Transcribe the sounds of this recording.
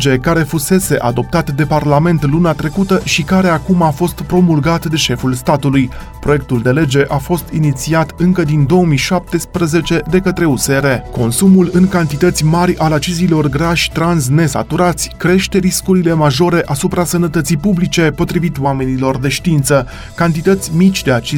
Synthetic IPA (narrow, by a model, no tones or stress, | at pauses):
d͡ʒe̞kaɾe̞fuse̞se̞ʔa̰d̪o̞p̚t̪at̪d̪e̞parlame̞nt̪lunat̪ɾe̞kut̪əʃikaɾe̞akumafo̞st̪pɾo̞mulɡat̪d̪e̞ʃe̞fulst̪at̪uluj | pɾo̞je̞k̚t̪uld̪e̞le̞d͡ʒe̞ʔafo̞st̪init̪siat̪ɨŋkəd̪ind̪o̞omijʃap̚t̪e̞spɾəze̞t͡ʃe̞d̪e̞kət̪ɾe̞use̞ɾe̞ko̞nsumulɨŋkant̪it̪ət̪sʲmaɾʲalat͡ʃizilo̞rɡɾaʃʲt̪ɾans̬ne̞sa̰t̪uɾat̪sʲkɾe̞ʃt̪e̞ɾiskuɾile̞maʒo̞ɾe̞ʔasupɾasənət̪ət̪sijpublit͡ʃe̞po̞t̪ɾivit̪wame̞nilo̞rd̪e̞ʃt̪int̪sə | kant̪it̪ət̪sʲmit͡ʃʲd̪e̞at͡ʃi